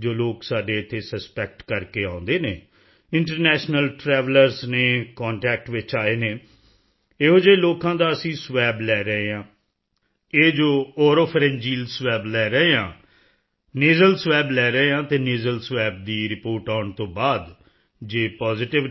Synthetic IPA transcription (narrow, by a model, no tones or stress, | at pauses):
d͡ʒoːloːksaːɖeːɪt̪ʰːeːsəspɛk̚ʈkəɾkeːãːʊ̃nd̪eːneː | ɪɳʈəɾnɛːʃnəlʈɾɛːʋləɾzneːkaːɳʈɛːk̚ʈʋɪt͡ʃaːeːneː | eːɦoːd͡ʒeːloːkãːd̪aːəsĩːsʋɛːblɛːɾəɦeːɦãː | eːd͡ʒoːɔːɾoːpʰɾɛ̃nd͡ʒiːlsʋɛːblɛːɾəɦeːɦã̰ː | neːzəlsʋɛːblɛːɾəɦeːɦãːt̪eːneːzəlsʋɛːb̚d̪iːɾɪpoːɾʈaːɳt̪õːbaːd̪ | d͡ʒeːpaːzɪʈɪʋ